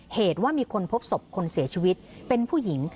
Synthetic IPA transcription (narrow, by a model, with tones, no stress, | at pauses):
heː˨˩t̪̚waː˥˩miː˧kʰo˧npʰo˦˥p̚so˨˩p̚kʰo˧nsi˩˦ɐt͡ɕʰiː˧wi˦˥t̪̚pe˧npʰuː˥˩ji˩˦ŋ